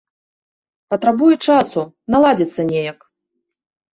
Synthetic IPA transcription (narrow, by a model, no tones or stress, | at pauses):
pɐt̪ɾabujɛt͡ʂasu | nalˠad͡zʲit̪sːɐnʲejɐk